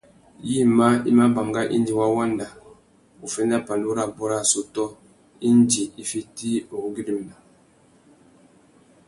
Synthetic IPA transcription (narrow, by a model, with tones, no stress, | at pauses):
ji˦ma˦i˦ma˦ba˨m˨ɡa˦ʔḭ˦n˦d͡ʒi˨wa˦wa˦nda˨ | u˨fɛ˦nda˦pa˨nu˦ɾa˨bɔ˦ɾa˦˨so˨tɔ˦ | i˦nd͡ʒi˨i˦fi˦ti˦o˨˦ɡi˦ɾi˨m˨na˨